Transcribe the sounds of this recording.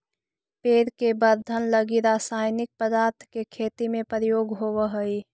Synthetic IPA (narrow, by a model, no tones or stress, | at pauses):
peːɾkebəɾd̪ʱənləɡiɾaːsaːjnɪk̚pəd̪aːɾt̪ʰkekʰeːt̪imẽpəɾjoːɡɦowəɦəi